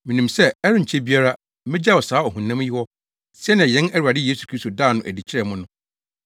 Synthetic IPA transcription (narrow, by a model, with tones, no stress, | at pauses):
mɪ̃˨nĩ˨msɛ˦ɛ˦ɾɪ̃˦ɲ̩˨t͡ɕʰɛ˦bi˦a˦ɾa˦ | mɪ̃˦d͡ʑa˦˨wɔ˨saː˨˦ɔ˨ɦũ˨nːã˦m˦ji˦wɔ˦ | sɛ˦ñ˨ã˨jɛ̃˨˦nɛ˦ɾu˨a˨dɪ˦jeː˦su˨kʰɾi˦sto˨daː˦˨nʊ̃˨ʔæ˨di˨t͡ɕʰɪ˦ɾɛ˨mʊ̃˦nʊ̃˦